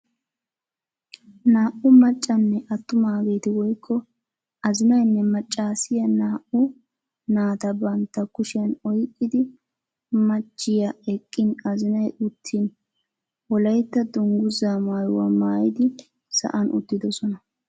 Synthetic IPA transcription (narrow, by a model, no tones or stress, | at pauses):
naːʔʊmɐt͡ʃʼːɐnːɛʔɐt̪ːʊmaːɡe̞ːt̪ɪwɔjkʰːɔ | ɐzɪnɐjnːɛmɐt͡ʃʼːaːsɪjɐnaːʔʊ | naːt̪ɐbɐnt̪ːɐkʊʃɪɐnɔjkʼːɪd̪ɪ | mɐt͡ʃʼːɪjɐɛkʼːɪnɐzɪnɐjʔʊt̪ʰːin | wɔlɐjt̪ːɐd̪ʊŋɡʊzaːmaːjʊwɐ̰maːjɪd̪ɪ | sɐ̰ʔɐnʔʊ̰t̪ːɪd̪ɔsɔnɐ